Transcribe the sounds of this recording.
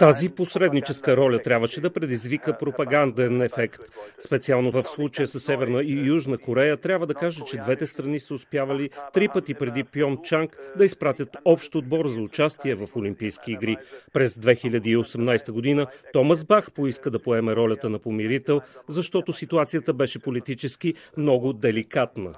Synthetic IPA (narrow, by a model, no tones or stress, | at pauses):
t̪aziposɾɛd̪nit͡ʃɛskəɾɔlʲət̪ɾʲabvəʃɛd̪ɐpɾɛd̪izvikəpɾopɐɡand̪ɛnɛfɛkt̪spɛt̪sialˠnovəfslˠut͡ʃəjəsəsːɛvɛɾnəijuʒnəkoɾɛjət̪ɾʲabvəd̪ɐkaʒɛt͡ʃɛd̪vɛt̪ɛst̪ɾɐnisəʊspjavəlit̪ɾipət̪ipɾɛd̪ipjɔnt͡ʃaŋkd̪ɐispɾat̪ʲət̪ɔpʃt̪od̪̚bɔɾzɐʊt͡ʃast̪iɛvɐfolimpijskiːɡɾipɾɛzd̪vɛxilʲəd̪iːosɛmnajst̪əɡod̪inət̪ɔməzbaxpoiskəd̪ɐpoɛmɛɾɔlʲət̪ənɐpomiɾit̪ɛlˠzɐʃt̪ɔt̪osit̪uat̪sijət̪əbɛʃɛpolit̪it͡ʃɛskimnɔɡʊd̪ɛlikat̪nə